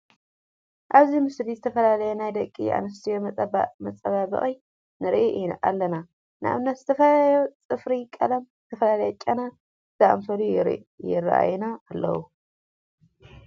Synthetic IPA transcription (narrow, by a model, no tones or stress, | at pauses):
ʔaβzimɨslizɨt̪ʰɐfɐlalɐjenajd̪ɐkʼːḭʔa̰nɐs̬t̪ʰijommɐt͡sʼɐβaβɨ̰χʼi | nɨɾʔeʔiʔa̰lːɐna | na̰βnːat̪zɨt̪ʰɐfɐlaljot͡sʼɨfɾikʼɐlɐmzɨt̪ʰɐfɐlalɐjɛt͡ʃʼɐna | z̥aʔɐmfɐluɾ̰jɪrːɐ̰ʔa̰jnaːlːɐ̰wu